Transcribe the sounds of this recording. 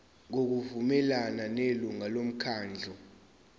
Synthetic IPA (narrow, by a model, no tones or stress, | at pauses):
ŋok̬uvumɛlananeluŋalom̩kʰaːnd͡ɮʱɔ